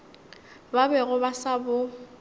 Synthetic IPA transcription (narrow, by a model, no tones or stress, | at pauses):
babɛɣʊbasabʊ